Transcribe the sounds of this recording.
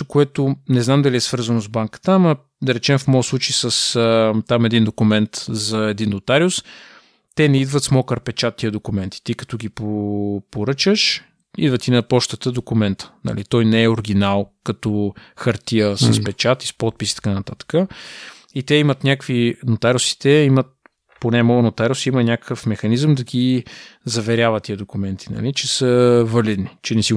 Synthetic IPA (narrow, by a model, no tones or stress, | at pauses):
kʊɛt̪onɛznamd̪ɐliɛsvɤɾzənozbaŋkə̥t̪əamɐ | d̪ɐɾɛt͡ʃɛmfmɔjslˠut͡ʃjsəst̪amɛd̪ind̪okʊmɛnt̪zɐɛd̪inːot̪aɾiʊs | t̪ɛnɛid̪vət̪smɔkəɾpɛt͡ʃat̪ːiəd̪okumɛnt̪i̥t̪ikɐ̥t̪ɔɡipopoɾɤt͡ʃəʃ | ḭd̪vət̪inɐpɔʃt̪ət̪əd̪okʊmɛnt̪ə̥nɐ̰lit̪ɔjnɛɛoɾɡ̟ʲinalˠkɐt̪ɔxɐɾt̪iəsəspɛt͡ʃat̪i̥spɔt̪̚pisi̥t̪ɐ̥kanɐt̪at̪ə̥kə | it̪ɛimət̪nʲakvinot̪aɾosi̥t̪ɛimət̪̚ | ponɛmɔɡnot̪aɾosiimənʲakə̥kəfmɛxɐnizəmd̪ɐɡizɐvɛɾʲjavət̪ːiəd̪okumɛnt̪ʰi̥nɐ̰lit͡ʃɛsəvəlid̪nit͡ʃɛnɛsi